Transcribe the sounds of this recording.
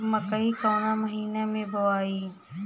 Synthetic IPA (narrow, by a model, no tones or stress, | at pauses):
mɐkəikaːnaməɦiːnamẽboaːiː